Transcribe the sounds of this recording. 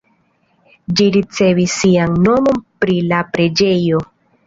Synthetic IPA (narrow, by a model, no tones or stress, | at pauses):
d͡ʒiɾit͡se̞visːiaŋno̞mo̞npɾilapɾe̞d͡ʒe̞jo̞